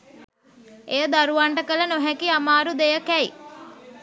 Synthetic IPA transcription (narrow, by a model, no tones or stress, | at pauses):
ejəd̪aɾuʋaɳʈəkələnoɦækiamaːɾud̪ejəkæi